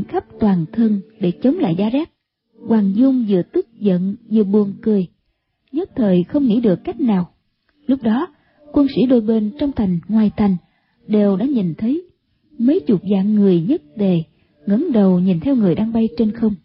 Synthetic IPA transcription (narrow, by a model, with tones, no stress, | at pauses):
ŋxa˦˥p̚t̪waː˨˩nt̪ʰə˧nɗe˧˩t͡ɕə˨˦wŋ͡mla̰ː˧˨jzaː˧zaː˦˥k̚ | kwaː˨˩ŋzʊ˧ŋ͡mzɨ̰˧˨ət̪ɨ˦˥k̚zə̰˧˨nzɨ̰˧˨əɓu˨˩ənkɨ˨˩əj | zə˦˥t̚t̪ʰəː˨˩jxə˧wŋ͡mŋḭ˧˥ɗɨ˨˩əkːa˦˥jk̟̚naː˨˩w | lʊ˦˥k͡p̚ɗɔ˨˦ | kwə˧nsḭ˧˥ɗo˧jɓe˧nt͡ɕɔ˧wŋ͡mt̪ʰa˨˩jŋ̟ŋwaː˨˩jt̪ʰa˨˩jŋ̟ | ɗe˨˩wɗa̰ː˧˥ɲi˨˩nt̪ʰə˨˦j | mə˨˦jt͡ɕʊ˨˩t̚za̰ː˧˨ŋːɨ˨˩əjɲə˦˥t̚ɗe˧˩ | ŋə̰˧˥nɗə˨˩wɲi˨˩nt̪ʰɛ˧wŋɨ˨˩əjɗaː˧ŋɓa˧jt͡ɕe˧nxə˧wŋ͡m